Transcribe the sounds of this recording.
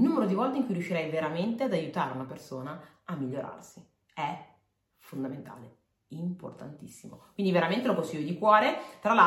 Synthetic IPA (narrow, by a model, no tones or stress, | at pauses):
nuːmeɾod̪ivɔlt̪eiŋkujrjuʃːiɾɛjveɾament̪ead̪ajut̪aːɾeunapersoːna | amːiʎːoɾʔa̰rsi | ɛ | fond̪ament̪a̰ːle | impo̰rt̪a̰nt̪ḭsːimo̰kkwind̪iveɾament̪elokonsiʎːod̪ikwɔːɾet̪ɾala